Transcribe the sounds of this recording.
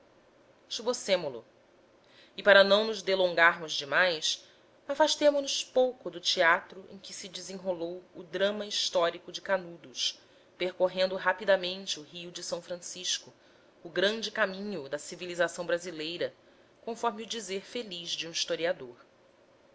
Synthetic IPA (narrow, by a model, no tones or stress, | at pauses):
t͡ʃibosẽmʊlʊ̰ | ɪpaɾɐnɐ̃w̃nʊzd̪elõŋɡaɾmʊzd͡ʒɪmajs | afaʃt̪ẽmʊnʊspowkʊd̪ʊt͡ʃiat̪ɾʊʔḛ̃j̃kɪsɪd͡ʒɪzẽɦolowʊd̪ɾɐ̃mɐiʃt̪ɔɾikʊd͡ʒɪkanud̪ʊs | peɾkoɦẽnd̪ʊɦapid̪amẽnt͡ʃɪuɦiʊd͡ʒɪsɐ̃w̃fɾɐ̃siʃkʊː | ɡɾɐ̃nd͡ʒɪkamĩɲʊd̪ɐsivilizasɐ̃w̃bɾazilejɾɐ | kõfɔɾmiʊd͡ʒizeɾfeliʒd͡ʒiũiʃt̪oɾiad̪oɾ